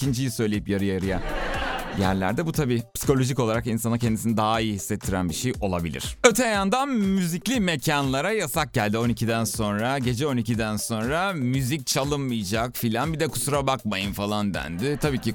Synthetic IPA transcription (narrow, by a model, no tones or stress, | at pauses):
ind͡ʒijisø̞jlʲe̞jipjaɾɯjaɾɯja | jæ̰ɾlʲæ̰ɾd̪ɛbut̪ʰabiːpsi̥ko̞lʲo̞ʒiko̞lˠaɾakinsanacʰɛnd̪isinid̪aɦaijːhisːɛt̪ʰːiɾænbiʃejʔo̞lˠabilʲḭɾ̝̥ø̞t̪ʰɛjand̪anmyziclʲime̞cʰanlˠaɾajasak̚ɟælʲd̪io̞nicʰid̪ænso̞nɾaɟe̞d͡ʒɛo̞nicʰid̪ænso̞nɾamyzic̚t͡ʃʰalˠɯnmɯjd͡ʒakfilʲanbid̪ɛkʰu̥suɾabakmajɯnfalˠand̪æ̰nd̪ɪt̪ʰabiːci